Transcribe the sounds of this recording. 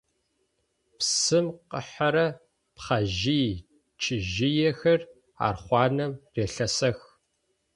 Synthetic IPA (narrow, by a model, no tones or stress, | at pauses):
psɨmqə̰ħɐɾɐ | pχɐʒiː | t͡ʃʰɪʒɪjɛxɐr | a̰ːrχʷɑːnɐmreːɬɐsɐx